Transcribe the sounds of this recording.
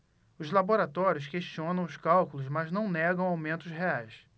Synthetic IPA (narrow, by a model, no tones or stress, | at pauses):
ʊzlaboɾat̪ɔɾjʊs̬keʃt͡ʃiõnɐ̃w̃ʊskawkʊlʊzmaznɐ̃w̃nɛɡɐ̃w̃awmẽnt̪ʊsɦeajs